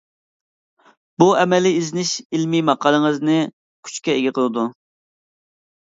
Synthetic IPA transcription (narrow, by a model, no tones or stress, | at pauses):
buɛmɛliizɪnɪʃilmimɑqʰːɑlˠəŋɨznɨ | kʲʰy̥t͡ʃkʲɛeɡʲɪqʰəlˠɨd̪u